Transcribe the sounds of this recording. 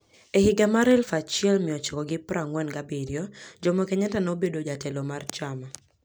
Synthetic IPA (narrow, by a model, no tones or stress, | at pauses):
ehɪɡamaɾɛlfat͡ʃɪɛlmɪɔt͡ʃikɔɡɪpɾaŋwɛnɡabiɾjɔd͡ʒɔmɔkɛɲatanobedod͡ʒatɛlomart͡ʃama